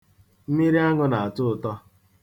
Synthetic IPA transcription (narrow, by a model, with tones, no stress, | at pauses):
m̩˦mi˦ɾi˦a˦ŋʊ˦na˨a˨tʊ˦ʊ˨tɔ˦